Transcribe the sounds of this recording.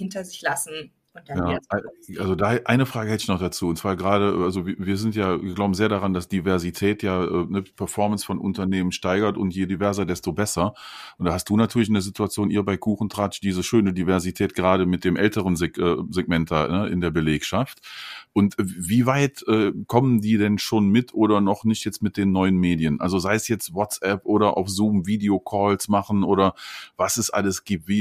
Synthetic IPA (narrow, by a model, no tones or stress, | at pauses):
hɪntɐzɪçlasn̩ | ʊnjaːʔʔalzodaɛʔaɪnəfʁ̥aːɡəhɛtɪçnɔχd̥at͡suːʊntt͡sv̥aːɐɡəʁaːɾəʔʔalzoviviːɐzɪntjaːviːɐɡlaʊbm̩zeːɐɾdaʁandasd̥ivɛɐzitʰɛːtʰjaːʔɛːnəpʰɛɐfɔɐmənsfɔnʔʊ̰ntɐneːmənʃtaɪɡɐtʊntjeːdivɛɐzɐdɛstobɛsɐʔʔʊntd̥aːhastd̥uːnatʰyːɐlɪç̬ɪndeɐzɪtuat͡sjoːnʔiːɐbaɪkʰuːχn̩tʁ̥at͡ʃd̥iːzəʃøːnədivɛɐzitʰɛːt̚ɡ̥əʁaːɾəmɪt̚d̥eːmʔɛltəʁənzeɛːzɛɡ̚mɛntanəʔɪ̰ndeːɐbəleːkʃaftʔʊntːviːvaɪtʔɛːkʰɔməndiːdɛnʃoːnmɪtʔoːɾɐnɔχnɪçtjɛt͡stmɪt̚d̥eːnːɔʏənmeːdiənʔa̰lzozaɪəsjɛt͡stwɔt͡sʔɛpʔoːɾɐʔa̰ʊfz̥uːmviːdeokʰɔːlsmaχn̩ʔoːɾɐvasɛsʔa̰ləsɡ̥iːp̚tv̥iː